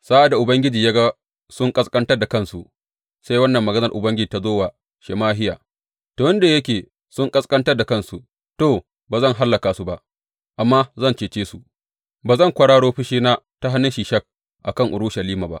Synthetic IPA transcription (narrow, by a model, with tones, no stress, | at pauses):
sa˦ʔa˨da˨ʔʊ˨bɐ˦ŋɡʲɪ˦d͡ʒiː˨jaː˦ɡa˦ | sʊ˦ŋkʼɐ˦skʼɐ˦ntɐ˦rda˨kɐ˦˨nsu˨ʔ | sa˦jwɐ˦nːɐ˨mːɐ˨ɡɐ˦nɐ˨rʔʊ˨bɐ˦ŋɡʲɪ˦d͡ʒiː˨ta˦zoː˦wa˨ | ʃe˨maː˦ɦɪ˦ja̰ː˨ | to˨wɐ˦nda˨jɐ˦k̬ʲeː˨ | sʊ˦ŋkʼɐ˦skʼɐ˦ntɐ˦da˨kɐ˦nsu˨ | toː˦˨ | baː˨zɐ˦˨ŋɦa˦lːɐ˨kaː˨su˦ba˨ʔ | ʔa˨mːa˦zɐ˦nt͡ʃeː˨t͡ʃeː˦su˨ | baː˨zɐ˦˨ŋkʷɐ˨ɽaː˦ɽoː˦ɸɪ˦ʃiː˦naː˦ | ta˦ɦa˦nːɪ˦nʃi˨ʃɐ˦k̚ | ʔa˨kɐ˦˨ŋʔʊ˨ɽʊ˦ʃɐ˨liː˦ma˨ba̰˦ʔ